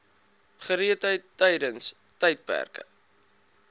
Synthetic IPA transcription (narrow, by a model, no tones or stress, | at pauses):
χəɾiətɦəjtːɛjdəns | tɛjt̚pæ̰rkə̰